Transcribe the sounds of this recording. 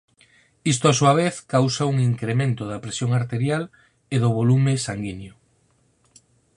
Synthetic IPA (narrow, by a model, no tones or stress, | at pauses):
is̬t̪oasuɐβ̞eθkawsauŋiŋkɾemẽnt̪ʊðɐpɾesjoŋaɾt̪eɾjal | eðʊβolumesaŋɡinjo